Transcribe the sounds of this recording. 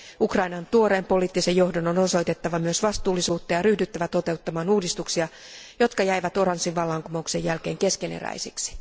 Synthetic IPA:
ukrɑinɑnt̪uoɾe̞ːmpo̞liːt̪ːise̞jo̞hdonono̞so̞jt̪e̞t̪ːɑʋɑmyøsʋɑst̪uːlːisuːt̪ːɑjɑryhdyt̪ːæʋæt̪ot̪e̞ut̪ːɑmɑːnuːdist̪uksiɑ | jo̞t̪kɑjæiʋæt̪o̞ɾɑnsːiʋʋɑlːɑːŋkumoukse̞jælke̞ːŋke̞skenḛræ̰jsiksi̥

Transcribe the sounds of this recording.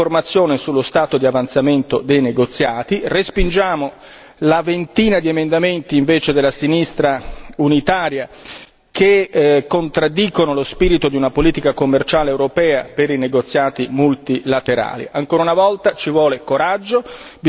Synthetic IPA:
ormat̪sːjoːnesulːost̪aːt̪od̪iavant̪sament̪od̪ejneɡot̪sːjaːt̪irespind͡ʒaːmo | lavent̪iːnad̪iemend̪ament̪iːɱveːt͡ʃed̪elasinist̪ɾaunit̪aːɾja | kekːont̪ɾad̪ːiːkonolospiːɾit̪od̪iunapoliːt̪ikakomːert͡ʃaːleːwɾopɛːapeɾineɡot̪sːjaːt̪imult̪ilat̪eɾa̰ːlḭʔaŋkoːɾaunavɔlt̪at͡ʃivwɔːlekoɾad͡ʒːob

